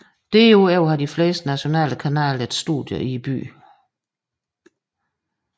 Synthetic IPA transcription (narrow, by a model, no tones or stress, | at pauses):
d̥e̝oæʊ̰ɦɑ̈d̥ifle̝̰ːsd̥næɕo̝nɛ̰ːləkʰænɛ̰ːled̥sd̥ṵd̥ˠjəʔib̥y̰ː